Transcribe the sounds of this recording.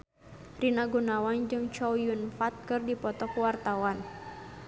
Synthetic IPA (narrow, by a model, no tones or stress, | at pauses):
rinaɡunawand͡ʒɨŋt͡ʃɔwjunfat̪̚kɨrdipɔt̪ɔkwart̪awan